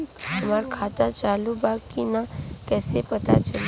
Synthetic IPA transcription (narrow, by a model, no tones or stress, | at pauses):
ɦəmaːɾkʰaːt̪at͡ʃaːlubaːɡkːinakɛːsepət̪a̰t͡ʃəl